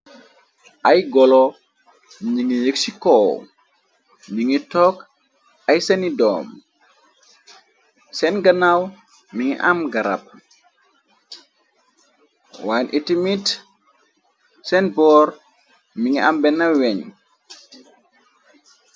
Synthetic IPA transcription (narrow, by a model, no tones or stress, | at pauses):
ʔajɡɔlɔ | miɲiŋijəksikɔw | miŋitɔk | ajsɛnidɔ̰ːm | sɛnɡanaw | miŋḭʔamɡaɾa̰p̚ | wanʔitimit | sɛnbɔːɾ | miŋiambɛnːawɛɲ